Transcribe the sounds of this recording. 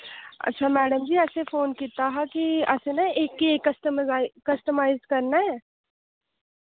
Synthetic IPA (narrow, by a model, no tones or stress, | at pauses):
ɐ̰tːʃʰamɛːɖəmd͡ʒʱiɛːsefoːnkiːt̪aɦɛkiɛːsenaeːkːieːkːɐst̪mzaːɪkɐsʈ̪ɪmaːɪzkɐɾnaɦɛː